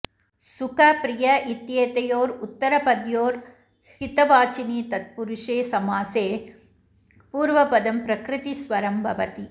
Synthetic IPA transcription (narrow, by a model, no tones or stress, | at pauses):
sʊkɐpɾɪjɐʔɪt̪jeːt̪ɐjoːɾʊt̪ːɐɾɐpɐd̪joːɾ | hɪt̪ɐʋaːt͡ʃɪnit̪ɐt̪̚pʊɾʊʂeːsɐmaːseː | puːɾʋɐpɐd̪ɐmpɾɐkɾɪt̪isʋɐɾɐmbʱɐʋɐt̪i